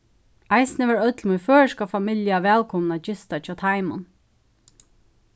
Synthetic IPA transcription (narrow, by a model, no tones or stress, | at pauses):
ajsnəʋɛɹœt̪lmunfœːɹskafamɪljaʋɛːlkʰɔnnad͡ʒɪst̪at͡ʃʰɑːt̪ʰaɪmʊn